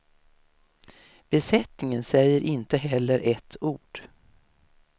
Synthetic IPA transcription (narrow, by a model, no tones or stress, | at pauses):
b̥ɛsɛt̪nɪŋənsɛjːəɾʔɪnt̪əɦɛlːəɾʔɛt̪ʰːuːɖ̥